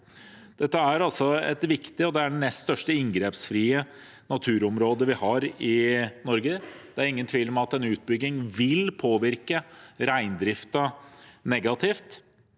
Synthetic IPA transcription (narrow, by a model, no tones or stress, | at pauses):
d̪̥ɛt̪ːəæɾɑlsɔɛ̰t̪ʋɪkt̪ɪɔd̪ɛæɖɛnɛst̪st̪œʂʈəɪŋɡɾeːpsfɾiːə | nɑt̪ʰʉːɾɔmɾoːd̪əʋɪhɑɾɪnɔɾɡəd̪̥ɛæɾɪŋːənt̪ʰʋiːləmɑt̪ɛnʉːt̪̚bʏɡ̪ɪŋʋɪlpʰoːʋɪɾkəɾæɪnd̪ɾɪft̪ɑnɛɡɑt̪ʰɪːft̪